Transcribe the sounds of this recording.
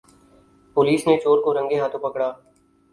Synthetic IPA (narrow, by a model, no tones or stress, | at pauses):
pʊliːsnet͡ʃoːɾkoɾə̃ŋɡeɦaːt̪ʰõpɐkɽaː